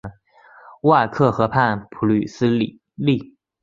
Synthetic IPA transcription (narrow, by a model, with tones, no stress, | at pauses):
wa˥˧kʰɤ˥˩xɤ˧˥pʰa˥˩npʰu˧˥ly˨˩sɹ̩˥˨˩ | li˥˩